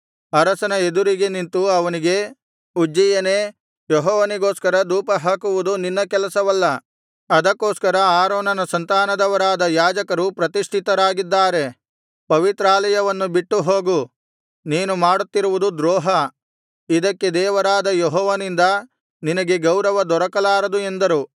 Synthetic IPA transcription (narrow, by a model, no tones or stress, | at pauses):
ɐɾɐsɐnɐed̪uɾiɡe̞nint̪uɐʋɐniɡe̞ | ud͡ʒːijɐneː | jɔɦɔːʋɐniɡo̞ːskɐɾɐd̪uːpɐɦaːkuʋud̪uninːɐkɛlɐsɐʋɐlːɐ | ɐd̪ɐkːoːskɐɾɐaːɾoːnɐnɐsɐnt̪aːnɐd̪ɐʋɐɾaːd̪ɐjaːd͡ʒɐkɐɾupɾɐt̪iʂʈ̪ʰit̪ɐɾaːɡid̪ːaːɾe̞ | pɐʋit̪ɾaːlɐjɐʋɐnːubiʈːuɦoːɡu | niːnumaːɽut̪ːiɾuʋud̪ud̪ɾoːɦɐ | id̪ɐkːe̞d̪ɛːʋɐɾaːd̪ɐjɔɦɔːʋɐnind̪ɐ | ninɐɡe̞ɡɐwɾɐʋɐd̪ɔɾɐkɐlaːɾɐd̪ue̞nd̪ɐɾu